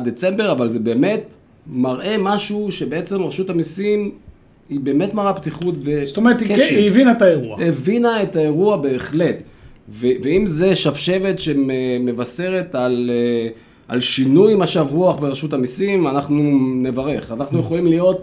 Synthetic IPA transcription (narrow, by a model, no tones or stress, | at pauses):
d̪et͡se̞mbeʁavalze̞be̞ːme̞t̪ | maʁʔe̞maʃuʃe̞be̞e̞t͡se̞mʁeʃutamisim | ibe̞ːme̞tmaʁapt̪iχutbest̪omeʁet̪ikeʃivinaet̪aeʁuaevinaetae̞ʁuabe̞ːχle̞t̪veveimze̞ʃavʃe̞ve̞tʃememe̞vase̞ʁe̞t̪al | ʔa̰lʃinujmaʃavʁuaχbeʁeʃutamisimanaχnune̞vaʁe̞χanaχnuje̞χolimlijo̞t̚